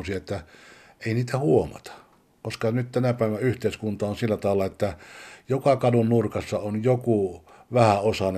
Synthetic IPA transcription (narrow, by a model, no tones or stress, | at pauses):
siet̪ːæ | eˑiniːt̪æhuomɑ̰t̪ɑ̥ | koskɑnyt̪t̪ænæpæˑeʋænæyht̪eˑiskunt̪ɑonsilːæt̪ɑˑelːɑet̪ːæjokɑkɑdunnurkɑsːɑonjoku | ʋæhæosɑn